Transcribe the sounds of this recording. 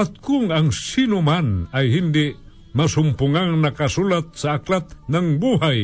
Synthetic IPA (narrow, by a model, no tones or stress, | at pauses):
at̪̚kʊŋaŋsɪnʊmanajhɪnd̪ɪ | masʊmpʊŋaŋnakasʊlat̪̚saːklat̪naŋbuhaj